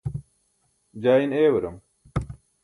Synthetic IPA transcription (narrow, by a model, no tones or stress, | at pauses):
d͡ʑaːineːwɐɾɐm